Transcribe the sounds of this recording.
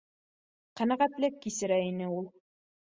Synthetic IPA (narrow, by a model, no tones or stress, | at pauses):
qænæʁæt̪lɘkːisɘ̆ɾæinɘulˠ